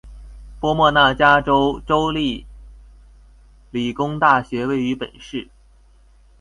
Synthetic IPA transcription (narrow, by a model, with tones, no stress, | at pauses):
pwɔ˥mwɔ˥˧na˥˩t͡ɕja˥ʈ͡ʂo˥ʊʈ͡ʂo˥ʊli˥˩ | li˨˩kʊ˥ŋt̪a˥˩ɕɥɛ˧˥we˥˩ɪy˧˥pə̰˨˩nʂɻ̩˥˩